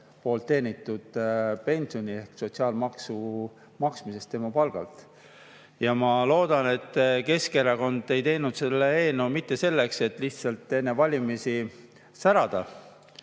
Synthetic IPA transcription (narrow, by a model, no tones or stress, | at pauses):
po̞ːlt̪ːe̞ːnit̪ːˑud̪̥pe̞nʲsio̞nʲie̞hkso̞t̪siɑːlmɑksu | mɑksmise̞st̪ːe̞mɑpɑlɡ̥ɑ̰lt̪ˑ | jɑmɑlo̞ːd̪̥ɑne̞t̪ːˑke̞skeɾɑko̞nd̪e̞jt̪e̞jnud̪̥se̞lːee̞ːnumit̪ːe̞se̞lːe̞kse̞t̪ːˑliht̪sɑlt̪ːˑe̞nːevɑlʲimisi | sæɾɑd̪̥ɑ